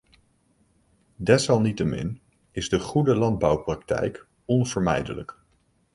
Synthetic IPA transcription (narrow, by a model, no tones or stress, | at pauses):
dɛsɑlˠnitəmɪ̰n | ɪzdəχudəlɑnd̚bɑwprɑktɛ̰jk | ɔnv̥əɹmɛ̰jdələ̰k